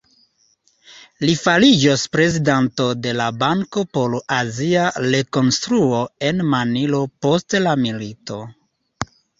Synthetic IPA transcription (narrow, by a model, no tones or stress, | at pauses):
lifalid͡ʒospɾe̞zidanto̞de̞labaŋko̞poloʔaziaɾe̞ko̞nstɾuo̞e̞nmanilo̞po̞stlamilito̞